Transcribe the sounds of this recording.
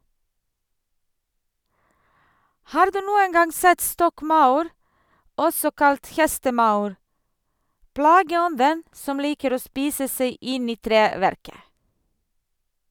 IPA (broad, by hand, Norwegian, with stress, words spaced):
ˈhɑːɾ ˈdʉː ˈnuːən ˈɡɑŋ ˈsɛt ˈstɔkˌmɑʉɾ ˈɔsɔ ˈkɑlt ˈhɛstəˌmɑʉɾ ˈplɑːɡəˌɔndən ˈsɔm ˈliːkəɾ ˈoː ˈspiːsə ˈsæɪ ˈɪn ˈiː ˈtɾeːʋæɾkə